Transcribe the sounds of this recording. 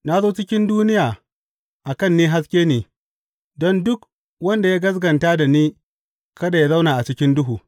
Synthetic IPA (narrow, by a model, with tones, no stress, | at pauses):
na˦zoː˦t͡ʃɪ˦kʲɪ˦nduː˦nɪ˦jaː˨ | ʔa˨kɐ˦˨nːiː˦ɦa˦skʲeː˦neː˨ | dɔ˦ndʊ˦k | wɐ˦nda˨jaː˦ɡɐ˦s̬ɡɐ˨nta˦da˨niː˦ | kɐ˦da˨ja˦za˦wnaː˨ʔa˨t͡ʃɪ˦kʲɪ˦ndʊ˦ɦuː˨